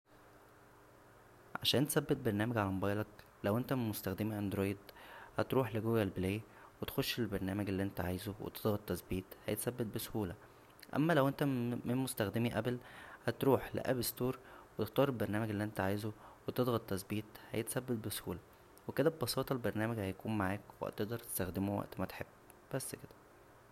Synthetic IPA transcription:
ʕa̰ʃæːnt̪esæbːet̪̚beɾˤnæːmæɡʕalæmobɑjlɑk | læwʔent̪æmenmost̪æxd̪emiʔænd̪ɾoːjd̪hæt̪ɾuːħleɡowjælbelæːj | wet̪xoʃːelbæɾˤnæːmæɡelːiːʔent̪æʕa̰ːjzowḛt̪ed̪ɣɑt̪ːæsbiːt̪hæjet̪sæbːet̪̚besohuːlæ | ʔæ̰mːælæwʔent̪æmenmost̪æxd̪emiʔæblhæt̪ɾuːħlḛʔæ̰best̪oːɾˤwet̪ext̪ˤɑːɾelbɑɾˤnæːmæɡelːiʔent̪æʕajzowet̪ed̪ˤɣɑt̪ːæsbiːt̪hæ̰jet̪sæbːet̪̚beso̥huːlæ | weked̪æbebɑsɑːt̪ˤɑlbɑɾˤnæːmæɡhæjækuːmmaʕaːkwḛʔæ̰t̪eʔd̪ɑɾˤt̪e̥st̪æxd̪emowæ̰ʔt̪mæt̪ħebː | b̥æsːked̪æ

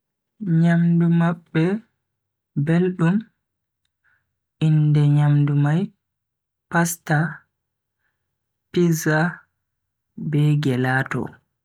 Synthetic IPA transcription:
ɲamdumaɓːɛ | belɗum | indɛɲamdumaj | pasta | piza | bɛɡɛlaːtɔ̰

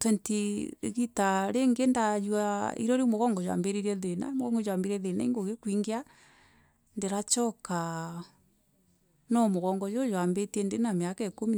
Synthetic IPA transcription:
tentiɾḛɣitaɾeŋɡendajwaḭɾɔɾimoɣɔŋɡɔjwa̰mbeɾiɾɛðena̰moɣɔŋɡɔjwambiɾɛðenaiŋɡoɣekwiŋɡea | ndeɾat͡ʃɔka | nɔmoɣɔŋɡɔjojwambetiɛndenamjakaekomi

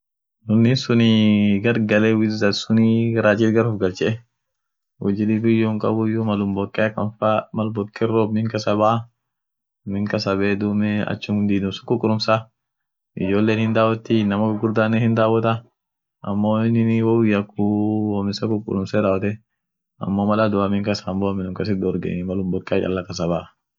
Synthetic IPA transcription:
nʊnːɪsʊniɡɐɾɡɐlewɪzɐsʊniɾaːt͡ʃiːt̪ɡɐɾʊfɡɐlt͡ʃːɛʔɛ | wɔd͡ʒɪlibɪjːʊŋkʼɐ̰bʊjʊmɐlʊmbɔkʼːɛɐkːɐnfamɐlbɔkʼːɛroːbmɪŋkɐsɐbaː | mɪŋkɐsɐbeːd̪uːmɛɐ̰t͡ʃːʊmd̪iːd̪ʊmsɐ̥kːʊkʼːʊlʊmsa | ɪd͡ʒoːlːeːnhɪnd̪aːwɔt̪ːinɐmɐɡʊɾd̪aːnːɛhɪnd̪aːwɔt̪ɐ | ɐ̰mːoːɪnːɪnwɔwʊjːɐkːuwɔmɪsɐkʊkʼʊ̰lʊmsɛd̪aːwɔt̪ɛ | ɐ̰mːoːmɐlɐd̪ʊwamɪŋkɐsɐːmbɔmɪnʊŋkɐsɪd̪ɔɔɾɡḛnɪmɐlʊmbɔkʼːɛat͡ʃʼɐ̰lːɐkɐs̬ɐbaː

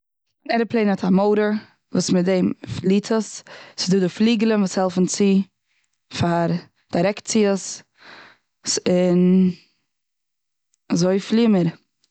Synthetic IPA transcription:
ɪnɛɾəplˠeɪnɔtʰamoʊɾə | vuːsmɪdeɪmfliːtʰəssɪ̥zduːdɪfliːɡəlˠənvuːshɛlˠfn̩t͡si | faɾ | d̥aɪɾɛkt̚t͡siəs | sɪn | azoɪfliːməɾ

